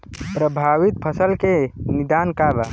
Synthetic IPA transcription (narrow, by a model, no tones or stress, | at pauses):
pɾəbʱaːʋit̪̚pʰəsəlkenid̪aːnkaba